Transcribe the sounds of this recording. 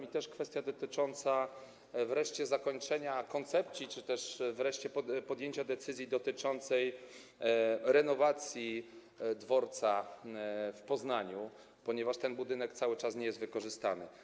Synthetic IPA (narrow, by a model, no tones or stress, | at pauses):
mʲit̪ɛʂkfɛst̪jad̪ɔt̪ɘt͡ʂɔnt̪sa | vɾɛʂt͡ɕɛzakɔɲt͡ʂɛɲakɔnt̪sɛp̪̚sʲit͡ʂɘt̪ɛʂvɾɛʂt͡ɕɛɔpɔd̪ʲjeɲt͡ɕad̪ɛt̪sɘzʲjid̪ɔt̪ɘt͡ʂɔnt̪sɛj | ɾɛnɔvat̪sʲji | d̪vɔɾt̪sa | fpɔznaɲu | pɔɲɛvaʂt̪ɛnbud̪ɘnɛkt̪sawɘt͡ʂasɲɛjɛst̪vɘkɔʐɘst̪anɘ̰